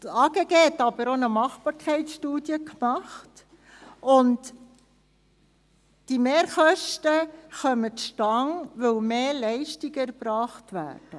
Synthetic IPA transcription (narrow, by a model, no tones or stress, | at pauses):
ɑːɡ̥eɡeːɛt̪ːɑbəɾonəmɑχbɑːɾkʰχɛɪtsʃtuːdjəkmɑχt | ʊnt | d̥imeːɾχœʃtəχœmətʃtɑŋʋɵwmeːlɛɪʃtiɡəæɾbɾɑːχtʋæ̰ːrd̥ə